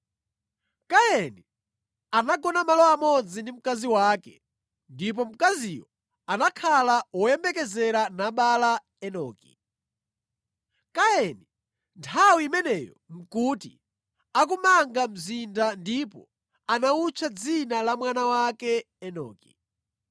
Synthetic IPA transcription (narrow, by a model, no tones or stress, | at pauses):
kaɛni | anaɡɔnamalɔamɔd͡zindim̩kaziwaːkɛ | ndip̬ɔm̩kazijɔ | anakʰalawɔjɛmbɛkɛzɛɾanaɓala | ɛnɔ̰ːkḭ | kaɛni | ntʰawiimɛnɛjɔ̰m̩kutḭ | ak̬umaŋɡam̩zindandipɔ̰ | anaut͡ʃʰad͡zinalamwanawakɛ | ɛnɔ̰ːki̥̰